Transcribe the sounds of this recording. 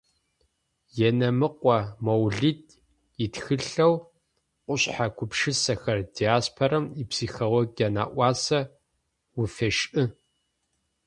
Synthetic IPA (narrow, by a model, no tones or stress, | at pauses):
jɛnɐmɨqʷʼɔmowɮit̚ʰʼ | itxɨɬɐw | qʷʼʊɕħakʷʰʊpʂɨsɐxɐrdiaːspʰɐɾɐmipsiːxolɔɡana̰ːʔʷɑːsɐ | wʊfɐʃʔɨ